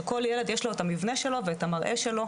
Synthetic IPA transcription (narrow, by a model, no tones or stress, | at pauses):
ko̞ljeled̪jeʃloetamivneʃelo̞veːtamaʁʔe̞ʃelo̞